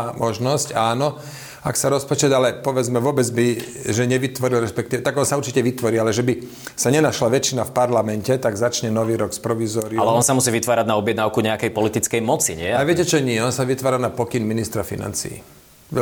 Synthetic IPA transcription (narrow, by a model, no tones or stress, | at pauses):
mɔʒnɔscaːnɔ | aksaɾɔspɔt͡ʃɛd̪alɛpɔʋɛd͡zmɛʋʊɔbɛd͡zbiʒɛɲɛʋit̪ʋɔɾilɾɛspɛkt̪iʋɛt̪aɡɔnsauɾt͡ʃicɛʋit̪ʋɔɾiːalɛʒɛbi | saɲɛnaʃlaʋɛt͡ʃinafpaɾlamɛncɛt̪aɡzat͡ʃɲɛnɔʋiːɾɔkspɾɔʋizɔːɾalɛɔnsamus̬iːʋit̪ʋaːɾaɟnaɔbjɛd̪naːʊkuɲɛakɛjpɔlit̪it͡skɛjmɔt͡siɲɪɛaʋɪɛcɛt͡ʃɔɲɪɛɔnsaʋit̪ʋaːɾanapɔkinminist̪ɾafḭna̰nt͡sḭḭ | ʋɛ